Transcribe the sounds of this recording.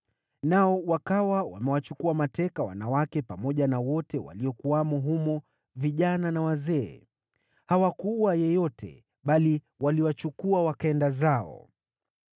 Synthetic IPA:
naɔwakawawa̰mɛwat͡ʃukuamatɛkawa̰nawakɛpamɔʄanawɔtɛwa̰liɔkuamɔɦumɔ | viʄananawazɛ̰ː | hawakuwajɛjɔtʰɛ̰ | ɓali | waliwat͡ʃukuawakaɛndazaɔ̰

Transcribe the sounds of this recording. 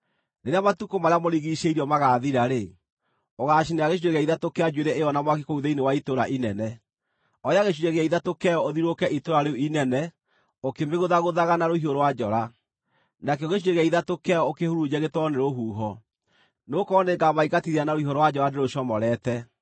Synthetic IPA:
neɾeamatukomaɾeamoɾiɣiʃeiɾiɔmaɣaːðiɾaɾe | oɣaːʃineaɣeʃ̬ueɣɛiðatokead͡ʒweɾeʔeɔnamwak̬ikouðeinewaitoɾa̰ʔinɛnɛ | ɔɾjaɣeɕ̬uɾɛɣɛiðatokɛjɔoðiɾokɛʔitoɾaɾeuinɛnɛ | okemeɣoðaɣoðaɣanaɾohioɾowad͡ʒɔɾa | nakɛoɣeʃueɣɛiðatokɛɔokehoɾud͡ʒɛɣetwɔneɾoɦuːɦɔ | nokɔneɡamaikatiðianaɾoiɦoɾowad͡ʒɔɾadeɾoʃɔmɔɾɛːtɛ

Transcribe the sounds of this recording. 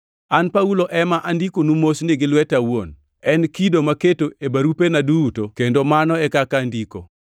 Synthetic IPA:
anpauloʔɛmaʔandikonumosnɪɡɪlwɛtawon | ɛnkidomaketoʔebaɾupenadutokendomanɔɛkakandiko

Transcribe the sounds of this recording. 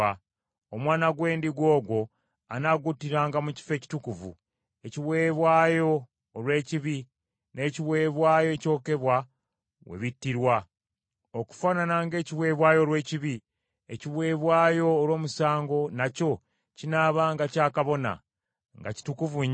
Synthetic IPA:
a | omwaːnaɡwe̞ːndiɡwo̞ːɡwo̞ | a̰naɡutiɾaːŋɡamuci̥fe̞ːci̥tukuvṵ | e̞ciβwe̞ːβwaːjo̞ː | lwe̞ːciβi | ne̞ːciβwe̞ːβwaːjo̞eco̞ːke̞βwa | we̞̰βitːiɾwa | oku̥faːnanaŋɡe̞ːciβwe̞ːβwaːjo̞ɾwe̞ːciβi | eciβwe̞ːβwaːjo̞ːɾwo̞ːmusaːŋɡo̞naco̞ | cinaβaːŋɡacaːkaβo̞na̰ | ŋɡa̰ci̥tukuvu

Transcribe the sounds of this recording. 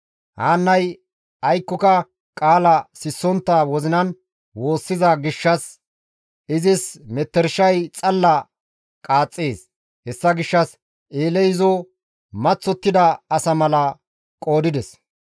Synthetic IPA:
ha̰ːnːɐj | ɐjkːɔkɐ | kʼaːlɐsɪsːɔnt̪ːɐwɔzɪnɐn | wo̞ːsːɪzɐɡɪʃːɐs | ɪzɪsmɛt̪ːɛɾʃɐjt͡sʼɐlːɐ | kʼaːt͡sʼːeːs | hɛsːɐɡɪʃːɐs | ʔeːlɛjzɔ | mɐt͡sːɔt̪ːɪd̪ɐːsɐmɐlɐ | kʼo̞ːd̪ɪd̪ɛs

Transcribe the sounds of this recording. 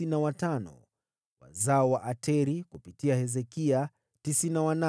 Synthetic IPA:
inawatanɔ̰ | wa̰zaɔwaʔatʰɛɾikupitiahɛzɛkia | tisinawana

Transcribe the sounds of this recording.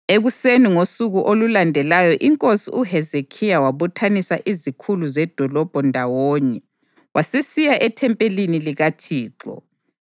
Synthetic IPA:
eɣuseniŋosuɣuʔolulandʱɛlajɔʔiŋkʼosiʔuɦɛzekʰijawaβutʰanisaʔizikʰuluzɛd̥ʱɔlɔb̥ʱɔndʱawɔːɲɛ | wasesijaʔɛtʰɛmpʼeliniliɣatʰiːǁɔ̰

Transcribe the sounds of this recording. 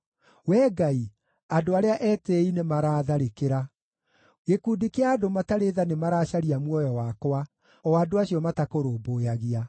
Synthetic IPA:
wɛːɡai | adoaɾeaʔɛːteinemaɾaːðaɾekeɾa | ɣekuːdikeaːdomataɾeðanemaɾaːɕaɾiamwɔjɔwakwa | ɔaːdoaɕijɔmatakoɾoːboːjaɣia

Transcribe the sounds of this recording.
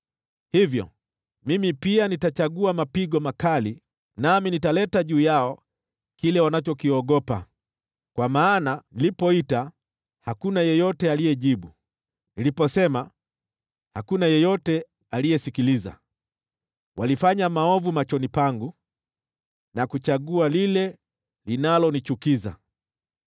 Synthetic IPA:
hivjɔ̰ | mimipianitat͡ʃaɠuamapiɠɔmakali | naminitalɛtaʄuːjaɔ | kilɛwanat͡ʃɔkiɔɠɔpa̰ | kwamaːnanilipɔita | hakunajɛjɔtɛalijɛʄiɓu | nilipɔsɛma | hakunajɛjɔtɛ | alijɛsikiliza̰ | walifaɲamaɔvumat͡ʃɔnipaŋɡu | nakut͡ʃaɠualilɛ | linalɔnit͡ʃukiza̰

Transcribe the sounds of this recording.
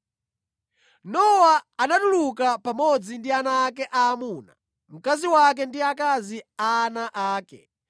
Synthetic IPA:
nɔwaːnaɗulukapamɔd͡zindianaːkɛʔaːmuːna̰ | m̩kaziwak̬ɛndiakaziaːnaʔaːkɛ̰

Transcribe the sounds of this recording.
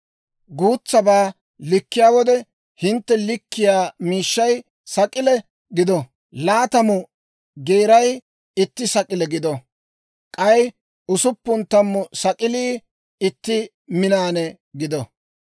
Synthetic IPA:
ɡuːt͡sːɐbaː | lɪkːɪjaːwɔd̪ɛ | hɪnt̪ːɛlɪkːɪjaːmiːʃːɐj | sɐkʼɪlɛ | ɡɪd̪ɔ | laːt̪ɐmʊ | ɡeːɾɐj | ɪt̪ːɪsɐkʼɪlɛɡɪd̪ɔ | kʼɐj | ʊsʊpːʊnt̪ɐmːʊsɐkʼɪliː | ɪt̪ːɪ | mɪnaːnɛ | ɡɪd̪ɔ

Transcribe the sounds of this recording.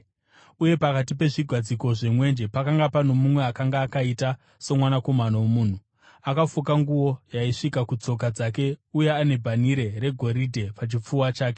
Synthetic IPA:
uje̞pakatipe̞ʐiɡʱwad͡ziko̞ʐemwe̞nd͡ʒe̞pakaŋɡapano̞mumwe̞akaŋɡaːkaita | so̞mwanako̞manowomuːn̤u | akafukaŋɡuwo̞jaiʂikakut͡so̞k̬ad͡zake̞uje̞ane̞bʱaniɾe̞ɾe̞ɡʱo̞ɾidʱe̞pat͡ʃip͡fuwat͡ʃaːke

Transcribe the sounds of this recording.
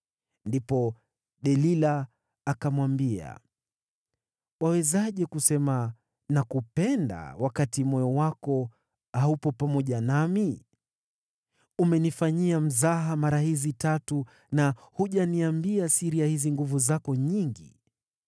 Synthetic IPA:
ndipɔ | ɗɛlilaː | kamwambia̰ | wawɛzaʄɛkusɛma | nakupɛnda̰wakatimɔjɔwakɔ | hahupɔpamɔʄanami | umɛnifaɲiam̩zaɦamaɾahizitatu | nahuʄaniambiasiɾiahiziŋɡuvuzakɔɲiŋɡḭ

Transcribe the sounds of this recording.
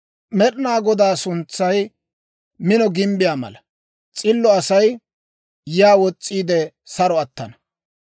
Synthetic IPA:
mɛɗnaːɡɔd̪aːsʊnt͡sːɐj | mɪnɔɡɪmbɪjaːmɐ̰lɐ | t͡sʼɪlːɔɐsɐj | jaːwɔt͡sʼːiːd̪ɛ | sɐɾɔɐt̪ːɐnɐ

